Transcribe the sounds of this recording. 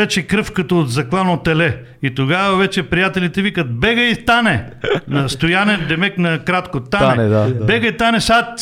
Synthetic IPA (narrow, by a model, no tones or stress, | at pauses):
ɛt͡ʃɛkɾɤfkɐt̪oːd̪zɐklˠanot̪ɛlɛ | it̪oɡavɐvɛt͡ʃɛpɾijat̪ɛlit̪ɛvikət̪̚bɛɡəit̪anɛ | nɐst̪ojanɛnd̪ɛmɛknɐkɾat̪kot̪aɛbɛɡəit̪anɛsat̪